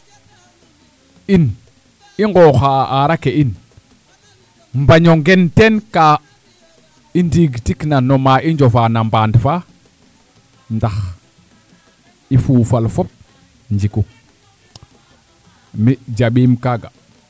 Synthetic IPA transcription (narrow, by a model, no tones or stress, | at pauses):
in | iŋɡoːxaʔaɾakeʔin | mbaɲoŋɡentenka | indiɡtiknanomaiɲd͡ʒofanambaːndfa | ndax | ifuːfalfop̚ | ɲd͡ʒiku | mid͡ʒaɓiːmkaɡa